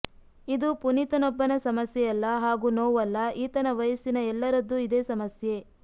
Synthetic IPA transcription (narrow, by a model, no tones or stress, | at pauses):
id̪upunit̪ɐnɔbːɐnɐsɐmɐsjɛjɐlːɐɦaːɡuːnoːʋɐlːɐʔiːt̪ɐnɐʋɐjɐsinɐɛlːɐɾɐd̪ːuid̪eːsɐmɐsje̞